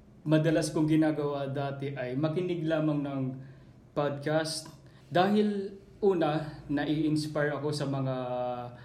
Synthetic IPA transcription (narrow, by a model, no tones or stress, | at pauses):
mɐd̪ɐlaskʊŋɡɪnaːɡɐwad̪aːt̪ɛʔɐjmɐkɪnɪɡlaːmɐŋnɐŋ | pad̪̚kast̪̚ | d̪aːɦɪl | ʔuːnɐnɐʔɪʔɪnspajɹʔɐko̞sɐmɐŋa